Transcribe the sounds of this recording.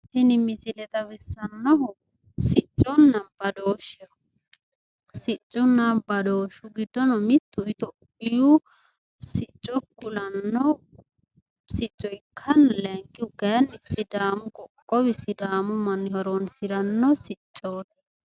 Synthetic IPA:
hɪnɪmɪsɪlɛt̪ɐwɪsːɐnːɔɦɔ | sɪt͡ʃʼːɔnːɐnb̥ɐd̪oːʃɐ | sɪt͡ʃʼːʊnːɐnbɐd̪oːʃʊɡɪd̪ːɔnɔmɪt̪ːʊɪt̪ɔ | ɪju | sɪt͡ʃʼːɔkːʊlɐnːɔ | sɪt͡ʃʼːɔɪkʰːɐnlɛŋkʼːɪʊɡɐnɪsɪd̪aːmʊkʼɔkʼːɔbɪsɪd̪aːmʊmɐnhɐɾɔnsɪɾɐnːɔsɪt͡ʃʼːoːt̪ɪ̥

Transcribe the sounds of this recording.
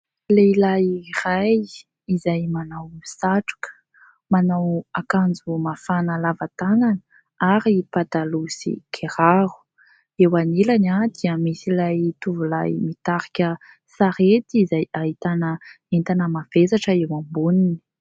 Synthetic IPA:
leilajiraj | izajmanawmisaʈ͡ʂu̥kə̥ | manawakand͡zumafanəlavat̪ananə | aɾipat̪alusḭkʰeɾaɾu̥ | ewanilanad̪iəmisilajt̪uvulajmit̪aɾikʲə | saɾet̪iizajaɦit̪anə | ent̪anəmav̥ezaʈ͡ʂəewambunini̥

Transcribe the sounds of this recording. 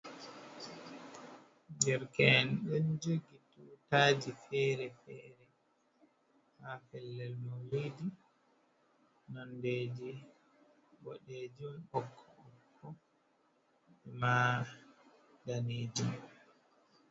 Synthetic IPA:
dɛɾkɛnɗɔnd͡ʒoɡitutaːd͡ʒifɛːɾɛfɛːɾɛ | hafɛlːɛlmɔlidi | nɔndeːd͡ʒi | wɔɗed͡ʒumɔkʰːɔːkʰːɔ | ɛma | daneːd͡ʒum

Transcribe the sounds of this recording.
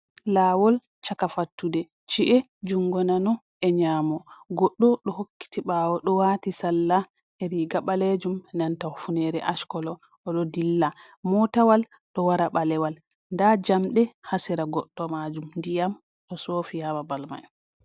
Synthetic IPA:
lawɔl | t͡ʃakafatːudɛ | t͡ʃiʔɛ | d͡ʒuŋɡɔnanɔ | ɛɲaːmɔɡɔɗːɔɗɔhokːi̥tiɓawɔɗɔwatisalːa | ɛɾiɡaɓaled͡ʒumnantafunɛɾɛ̰ʔaʃkɔlɔ | ɔɗɔdilːa | mɔtawal | ɗɔwaɾaɓalɛwal | ndad͡ʒamɗɛhasiɾaɡɔɗːɔmad͡ʒumndijam | ɗɔsoːfijamabalma̰j

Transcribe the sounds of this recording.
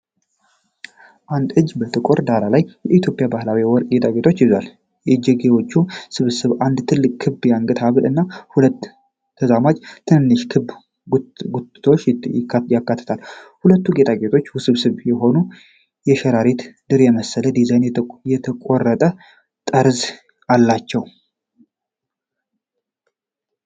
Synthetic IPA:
ʔand̪ɨd͡ʒbət̪ʰɨkʼoɾd̪aɾalajjɛʔit̪ʰjo̞pʼjabahlawiwɔɾkʼɡet̪ʰʼaɡe̞t̪ʰo̞t͡ʃːjɪzwal | jɛd͡ʒɛɡewo̞t͡ʃːusɨβɨsɨβʔand̪t̪ʰɨlːɨkʼkʰɨbjaŋkʼɨt̪ʰaβɨlɨnːahulət̪ʰː | əzamad͡ʒt̪ʰɨnɨnːɨʃkʰɨ | ɡut̪t̪ʰo̞t͡ʃːɪjakːat̪ʰːə̥t̪ʰalhulət̪ːuɡet̪ʰʼaɡe̞t̪ʰo̞t͡ʃːwʊsɨβsɨβjɛɦo̞nu | jɛʃɛɾaɾet̪d̪̥ɨɾjɛməsːələd̪izajnjɛt̪ʰəkʼorːət̪ʼə | t̪ʼəɾz | alːat͡ʃːɛw

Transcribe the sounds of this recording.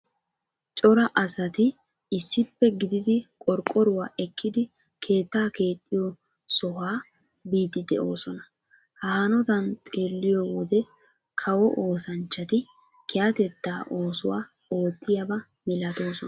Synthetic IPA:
t͡ʃʼɔɾɐʔɐsɐt̪ɪː | sːɪpːɛɡɪd̪ɪd̪ɪkʼɔɾkʼːɔɾʊwaːʔɛkʰːɪd̪ɪ | kʰe̞ːt̪ːaːke̞ːt̪ʼːɪjɔ | sɔɦaː | biːt̪ɪd̪ɛʔo̞ːsɔnɐ | hɐhɐnɔt̪ɐnt̪ʼe̞ːlːɪjɔwɔd̪ɛ | kʰɐwɔʔo̞ːsɐnt͡ʃːɐt̪ɪ | kʰɛɐt̪ɛt̪ːaːʔo̞ːsʊwa̰ː | o̞ːt̪ːɪjɐbɐ | mɪlɐt̪o̞ːsɔ

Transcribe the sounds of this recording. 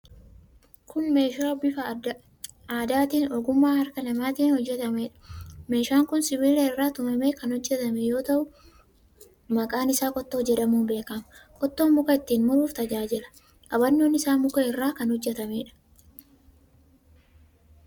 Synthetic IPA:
kʰʊnme̞ːʃaːbɪfɐd | aːd̪aːt̪iːnɔɡʊmːaːhɐɾkɐnɐmaːt̪iːnhɔd͡ʒːɛt̪ɐmeːᶑɐ̥me̞ːʃaːŋkʊnsɪbiːlɛɪrːaːt̪ʊmɐmeːkɐnhɔd͡ʒːɛt̪ɐmɛjo̞ːt̪ɐʔʊ | mɐkʼaːnɪsaːkʼɔt̪ːoːd͡ʒɛᶑɐmuːbe̞ːkɐmɐkʼɔt̪ːo̞ːmʊkɐɪt̪ːiːnmʊɾuːft̪ɐd͡ʒaːd͡ʒɪlɐ̥ | ʔɐbɐnːo̞ːnɪsaːnmʊkɐɪrːaːkɐnhɔd͡ʒːɛt̪ɐmeːᶑɐ̥

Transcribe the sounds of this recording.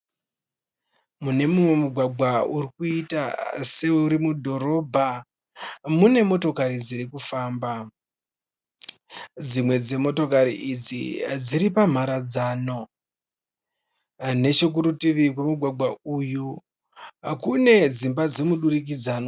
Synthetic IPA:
mune̞mumwemuɡʱwaɡʱwaurikuita̰se̞uɾimudʱo̞ɾo̞bʱa | mune̞mo̞to̞kaɾid͡ziɾikufaːmba | d͡zimwe̞d͡ze̞mo̞to̞kaɾiʔid͡zḭd͡ziɾipam̤aɾad͡zaːno̞ | ne̞t͡ʃuk̬uɾutiʋikwemuɡʱwaɡʱwauju | kune̞d͡zimbad͡zemuɗurik̬id͡zaːno

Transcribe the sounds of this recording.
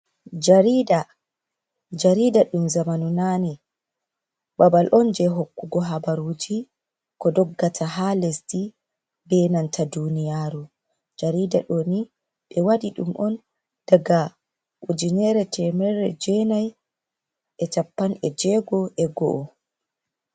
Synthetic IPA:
d͡ʒaɾiːda | d͡ʒaɾiːdaɗumzamanunani | babalʔɔnd͡ʒɛɦokːuɡɔɦabaɾuːd͡ʒi | kɔdɔɡːatʰaɦalesdi | bɛnantʰadunijaːɾu | d͡ʒaɾidaɗoːni | ɓɛwadiɗṵmʔɔn | d̥aɡa | ʔud͡ʒinɛɾɛtʰɛmɛɾɛ̰d͡ʒɛnaj | ʔɛt͡ʃapːanɛd͡ʒɛːɡɔʔɛɡɔ̰ʔɔ

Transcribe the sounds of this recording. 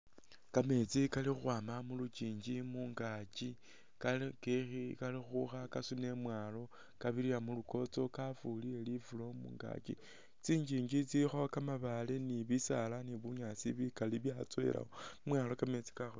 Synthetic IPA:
kame̞t͡sikalixwaːmamulut͡ʃiːɲd͡ʒimuŋɡat͡ʃi | kakexikalixuxakasune̞mwaːlo̞ | kaβiɾiamuluko̞t͡so̞kafulie̞lifulo̞mṵːŋɡa̰t͡ʃḭ | t͡siːɲd͡ʒiːɲd͡ʒit͡siixokamaβaleniβisalaniβuɲat͡siβikaliβjat͡swḛla̰omwalo̞kame̞t͡si̥kaxu

